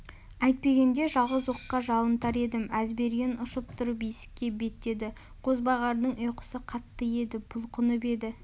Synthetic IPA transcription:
æjt̪̚pe̞ɡʲe̞nd̪e̞ʒɑlˠʁəzwo̞qːɑʒɑlˠənt̪ɑɾe̞d̪ɪmæzbe̞ɾɡʲe̞nʊʃəp̚t̪ʰʊɾəbijsɪ̥kʲːe̞be̞t̪e̞d̪ɪ | qʰo̞zbɑʁɑɾd̪əɴojqə̥səqʰɑt̪ːəje̞d̪ɪbʊlˠqʰʊnəpe̞d̪ɪ

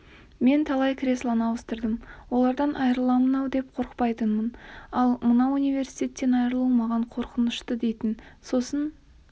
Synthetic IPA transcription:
me̞nt̪ʰɑlˠɑjkʲʰɾʲe̞slˠɑnɑwəst̪əɾd̪əmwo̞lˠɑɾd̪ɑnʔɑjɾəlˠɑmənɑwd̪e̞p̚qʰo̞ɾqpɑjt̪ənmənɑlˠmənɑunijvʲe̞ɾsijt̪ʰe̞t̪ːe̞nɑjɾəlˠəmɑʁɑɴqʰo̞ɾqənəʃt̪əd̪e̞jt̪ɪnso̞sən

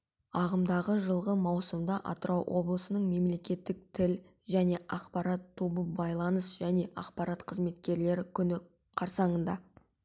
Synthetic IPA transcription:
ɑʁəmd̪ɑʁəʒəlˠʁəmɑwsəmd̪ɑʔɑ̰t̪əɾɑwwʔo̞̰blˠəsənəɴme̞mle̞kʲe̞t̪ːɪk̚t̪ʰɪl | ʒæne̞ʔɑqpɑɾɑt̪ʰːobəbɑjlˠɑnəsʒæne̞ʔɑqpɑɾɑt̪qʰəzme̞t̪kʲe̞ɾle̞ɾɪkʲʰʏnɪ | qʰɑɾsɑɴənd̪ɑ

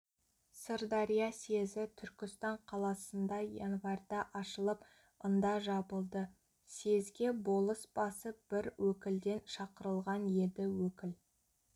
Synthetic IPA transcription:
səɾd̪ɑɾijase̞zɪt̪ʰʏɾkʲɪst̪ɑɴqʰɑlˠɑsənd̪ɑjḛnvɑɾd̪ɑʔɑʃəlˠəp | ənd̪ɑʒɑbəlˠd̪ə | se̞zɡʲe̞bo̞lˠəsb̥ɑsəb̥ɪɾwɵkʲɪld̪e̞nʃɑqəɾəlˠʁɑnje̞d̪ɪwɵkʲɪl

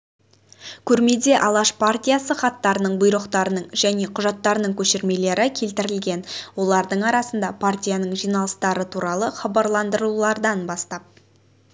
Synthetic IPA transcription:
kʲʰɵɾme̞d̪e̞ʔɑlˠɑʃpʰart̪ʲijasəχɑt̪ːɑɾənəɴbʊjɾəqt̪ɑɾənəɴʒæne̞qʰʊʒɑt̪ːɑɾənəɴkʲʰɵʃeɾme̞le̞ɾɪkʲʰe̞lt̪ɪɾɪlɡʲe̞nwo̞lˠɑɾd̪əɴɑɾɑsənd̪ɑpʰart̪ʲijanəɴʒijnɑlˠəst̪ɑɾət̪ʰuɾɑlˠəχɑbɑɾlˠɑnd̪əɾulˠɑɾd̪ɑnbɑst̪ɑp̚

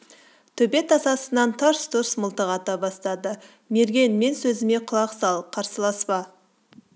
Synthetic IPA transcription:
t̪ʰɵbe̞t̪ʰɑsɑsənɑnt̪ʰɑɾst̪ʰʊɾsmʊlˠt̪əʁɑt̪ɑbɑst̪ɑd̪ə | me̞ɾɡʲe̞nme̞nsɵzɪme̞qʰʊlˠɑqsɑlˠqʰɑɾsəlˠɑspɑ

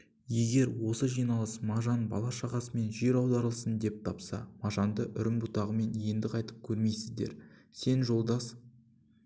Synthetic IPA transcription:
je̞ɡʲe̞ɾwo̞səʒijnɑlˠəsmɑʒɑnbɑ̰lˠɑʃɑʁɑsəme̞nʒe̞ɾɑwd̪ɑɾəlˠsənd̪e̞p̚t̪ʰɑpsɑ̰mɑʒɑnd̪əʔʏɾɪmbʊt̪ɑʁəme̞nje̞nd̪ɪqɑjt̪əp̚kʲʰɵɾme̞jsɪzd̪e̞̰ɾse̞nʒo̞lˠd̪ɑs

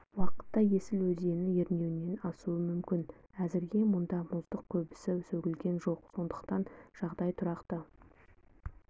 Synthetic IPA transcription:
wɑqə̥t̪ːɑje̞sɪlwɵze̞nɪjeɾne̞wɪne̞nɑsuəmʏmkʲɪn | æzɪɾɡʲe̞mʊnd̪ɑmʊzd̪əq̚kʲʰɵbɪsɪsɵɡʲɪlɡʲe̞nʒo̞qso̞nd̪əqt̪ɑnʒ̥ɑʁd̪ɑjt̪ʰʊɾɑqt̪ə

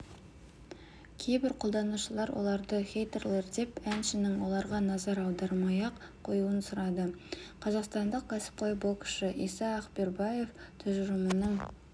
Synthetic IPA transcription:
kʲʰe̞jbɪɾqʰo̞lˠd̪ɑnuʃəlˠɑɾwʔo̞̰lˠɑɾd̪əχʲejt̪erlˠeɾd̪e̞pænʃɪnɪŋwo̞lˠɑɾʁɑnɑzɑɾɑwd̪ɑɾmɑjɑq | qʰːo̞juənsʊɾɑd̪əqʰɑzɑqst̪ɑnd̪əq̚kʰʲæsɪ̥p̚qʰojbolˠkʲʰɪ̥ʃɪʔijsɑːqbeɾbɑje̞ft̪ʰʏʒʒɪmənəɴ

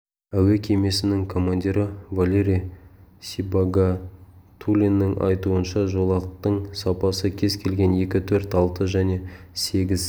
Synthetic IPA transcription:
æwekʲʰeme̞sɪnɪŋkʰo̞mand̪ʲiɾəvalʲeɾijsibaɡat̪ʰulʲinːɪŋʔɑ̰jt̪uənʃɑʒo̞lˠɑq̚t̪əɴsɑpɑsəkʲʰe̞zkʲʰe̞lɡʲe̞nje̞kʲɪt̪ʰɵɾt̪ɑlˠt̪əʒæne̞se̞ɡʲɪz

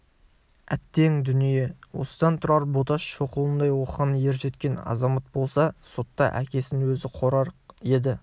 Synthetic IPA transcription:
æ̰t̪ːe̞ŋd̪ʏnije̞wo̞̰səd̪ɑnt̪ʰʊɾɑɾbot̪ɑʃʃo̞qəlˠənd̪ɑjwo̞qəʁənje̞ɾʒe̞t̪kʲe̞nɑ̰zɑmɑt̪̚bo̞lˠsɑso̞t̪ːɑ̰ʔæ̰kʲe̞sɪnwɵzɪqʰo̞ɾɑɾe̞d̪ɪ

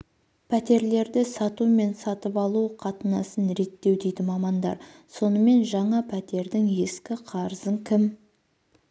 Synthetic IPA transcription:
pʰæt̪e̞ɾle̞ɾd̪ɪsɑt̪ume̞nsɑt̪əpɑlˠuqʰɑt̪ənɑsənɾe̞t̪ːe̞wd̪ejd̪ɪmɑmɑnd̪ɑ̰ɾ | so̞nəme̞nʒɑɴɑpʰæt̪e̞ɾd̪ɪŋe̞skʲɪqʰɑɾəzəŋkʲʰɪm

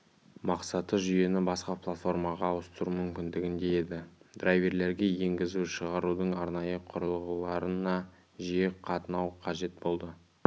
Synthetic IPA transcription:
mɑqsɑt̪əʒʏje̞nɪbɑsqɑplˠat̪fo̞rmɑʁɑːwəst̪əɾumʏmkʲɪnd̪ɪɡʲɪnd̪e̞je̞d̪ɪd̪̥rajve̞ɾle̞ɾɡʲe̞je̞ŋɡʲɪzuʃəʁɑɾud̪əɴɑɾnɑjəqʰʊɾəlˠʁəlˠɑɾənɑ | ʒijeqʰɑt̪ənɑwqʰɑʒe̞t̪̚bo̞lˠd̪ə

